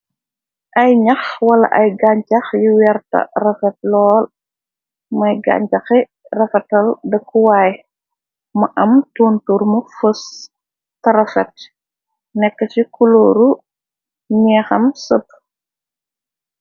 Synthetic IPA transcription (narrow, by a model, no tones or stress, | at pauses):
ʔɐjɲɐxwɐlɐ̰ʔɐjɡaɲt͡ʃɐxjuwɛrtɐ̰rɐfɛt̚lɔːl | mɐjɡa̰ːɲcɐxi | rɐfɛtɐldɐkʰːuwaːj | mɐʔɐmtuːnturmufəs | tɐɾɐfɛt̚ | nɛkːət͡ʃikuloːɾu | ɲɛːxɐmsəp̚